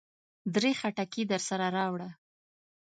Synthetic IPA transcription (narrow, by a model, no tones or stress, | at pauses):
d̪ɾexaʈakid̪əɾsaɾaɾɑwɽa